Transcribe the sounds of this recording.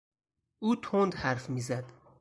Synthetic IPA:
ʔuːt̪ʰond̪hæɾfmiːzæd̪̥

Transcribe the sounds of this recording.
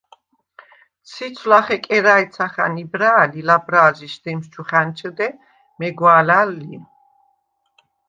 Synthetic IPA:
sʰit͡sʰlaχɛkʼɛɾaɛt̪sʰaχa̰nibɾaːlilabɾaːziʃd̪ɛmʃt͡ʃʰuχant͡ʃʰəd̪ɛ | mɛɡwaːlalːi

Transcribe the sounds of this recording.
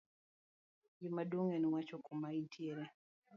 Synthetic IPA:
jimaduŋɛnwat͡ʃɔkɔmaintʰieɾe

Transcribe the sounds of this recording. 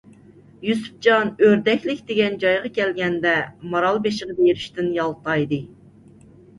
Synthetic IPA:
jusu̥p̚d͡ʒɑnøɾd̪ɛkʲlɪkʲd̪eɡʲɛnd͡ʒɑjʁɑkʲɛlɡʲɛnd̪ɛmɑɾɑlˠbeʃəʁɨbeɾɪʃt̪ɪnjɑlˠt̪ʰɑjd̪ɨ

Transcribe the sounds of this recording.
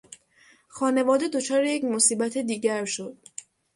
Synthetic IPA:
xɒːne̞vɒːd̪e̞d̪o̞t͡ʃʰɒːɾejecmo̞siːbæt̪ʰed̪iːɟæɾʃo̞d̪̥

